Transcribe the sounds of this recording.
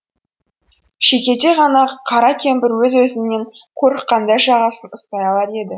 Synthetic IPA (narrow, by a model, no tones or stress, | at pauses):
ʃe̞kʲe̞t̪e̞ʁɑnɑqʰɑɾɑkʲʰe̞mbɪɾwɵzwɵzɪne̞ŋkʲʰɵɾɪqqːɑnd̪ɑʒɑʁɑsənəst̪ɑjɑlˠɑɾe̞d̪ɪ